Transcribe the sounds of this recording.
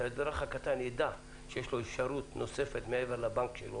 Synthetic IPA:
ad̪ɾaχhakat̪anjed̪a | ʃejeʃlo̞efʃaɾut̪no̞sefet̪meeveɾlabaŋkʃḛlo̰

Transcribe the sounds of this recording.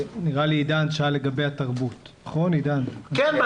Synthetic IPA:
niʁaliidanʃeale̞ɡabejataʁbutnɐχo̞nidankɛnb

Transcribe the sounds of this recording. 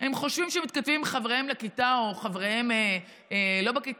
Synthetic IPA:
hemχo̞ʃvimʃemit̪kat̪vimχavʁehemlekit̪ao̞χavʁeheme | lo̞bakit

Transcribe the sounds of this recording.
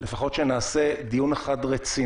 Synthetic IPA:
lefaχo̞tʃenaːsed̪ijuneχadʁet͡si

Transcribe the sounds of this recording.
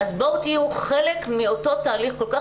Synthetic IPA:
azboʁt̪iuχelekmiotot̪aːliχko̞lka

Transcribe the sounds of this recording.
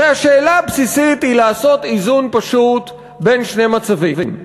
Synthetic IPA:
eaʃeːlaabsisit̪hilaːso̞t̪izunpaʃut̪ | be̞nʃne̞mat͡savivim

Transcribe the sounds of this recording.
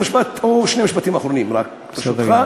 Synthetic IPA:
miʃbat̪oʃnemiʃbat̪imaχɾonimɾak | baʃut̪a

